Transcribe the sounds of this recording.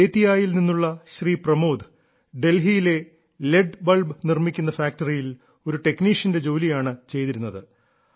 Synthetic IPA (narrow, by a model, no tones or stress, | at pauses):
eːt̪ːijaːjilninːuɭːɐɕriːprɐmo̞ːd̪ɨ | ɖe̞lɦijile̞ | leɖbɐlbnirmikʲːunːɐfaːk̚tɐrijil | o̞ɾuʈe̞kniːʂɐnde̞d͡ʑo̞ːlijaːɳɨt͡ɕe̞jt̪iɾunːɐðɨ